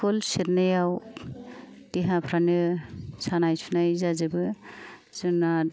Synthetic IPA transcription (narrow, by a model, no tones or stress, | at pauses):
ɔlseɾnajaw | tiɦãpʰɾanɯsʰanajsʰunajzazebɯ | z̥ɯna